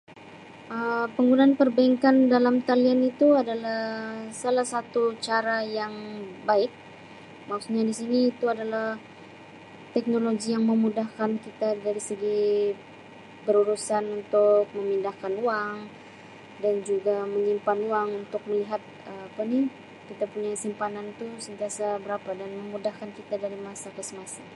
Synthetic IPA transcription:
ʔəpəŋɡunanpərbaiŋkandalamt̪alianit̪uadalahsalahsat̪ut͡ʃaɾajaŋbaɪk̚ | maksuɲadisiniːt̪uadalah | t̪ɛk̚noloɡijaŋməmudahkankit̪adaɾisəɡi | bəɾuɾusanunt̪ʊk̚məmindahkanuaŋ | dand͡ʒuɡaməɲimpanuaŋunt̪ʊk̚məliɦat̪̚əapani | kit̪apuɲasimpanant̪usənt̪iasabəɾapadanməmudahkankit̪adaɾimasakəsəmasa

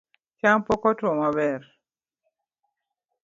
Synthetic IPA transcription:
t͡ʃaŋpɔkɔtwɔmabɛr

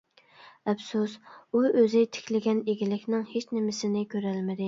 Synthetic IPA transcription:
ɛpsusuøzɪt̪ʰɪ̥kʲlɪɡʲɛneɡʲilɪkʲnɪŋhet͡ʃnɪmɪsɪnɪkʲʰøɾælmɪd̪ɪ

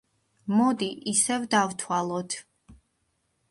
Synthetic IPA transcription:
mɔd̪iʔisɛvd̪avt̪ʰwalˠɔt̪ʰ

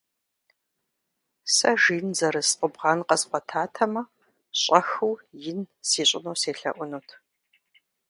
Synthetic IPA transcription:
sɐʒiːnzɐɾɨsqʷʊbʁɑːnqɐsqʷɔtʰaːtʰɐmɐ | ɕʼɐxuwjɪnsiːɕʼɪnoːseːɬɐ̰ʔʷʊnuːtʰ

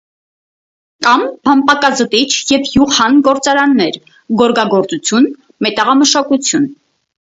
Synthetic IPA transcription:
kɑmbɑmpɑkɑzət̪it͡ʃʰjɛvjuʁhɑnɡɔɾt͡sɑɾɑnːɛɾ | ɡɔɾɡɑɡɔɾt͡sut͡sʰjun | mɛt̪ɑʁɑməʃɑkut͡sʰjun

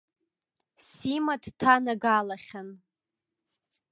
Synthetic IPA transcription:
simatʰtʰanaɡalaχʲan

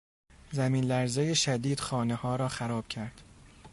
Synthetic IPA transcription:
zæmiːnlæɾzejeʃæd̪iːd̪̥xɒːnehɒːɾɒːxæɾɒːb̥cʰæɾd̪̥

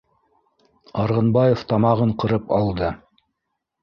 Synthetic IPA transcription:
ɑɾʁɤ̆nbɑjeft̪ɑmɑʁɤɴqɤ̆ɾɤpɑlˠd̪ɤ

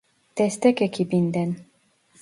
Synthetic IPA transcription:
t̪est̪ɛkekʰibind̪ɛn

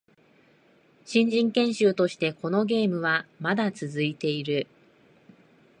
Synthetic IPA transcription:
ɕĩɲ̟d͡ʑĩŋkẽ̞ɰ̃ɕɨːt̪o̞ɕi̥t̪e̞ko̞no̞ɡe̞ːmɯ̟βamad̪at͡sɨzɨit̪e̞iɾɯ̟

